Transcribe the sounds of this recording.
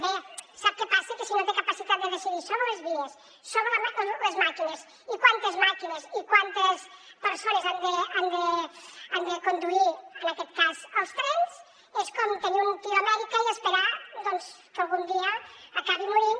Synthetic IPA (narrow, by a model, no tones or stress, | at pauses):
besap̚kepasekesinot̪ekapasit̪at̪d̪əðesiðisoβɾelezβies | soβɾeəalezmakinez | ikwant̪əzmakinezikwant̪əspəɾsonezand̪əand̪əand̪əkond̪uiɾənakɛt̪kazəlˠst̪ɾɛnz | eskɔmt̪eniummut̪iamɛðikaiðəspeɾad̪ɔnskəlˠɣund̪iəːkaβimuɾin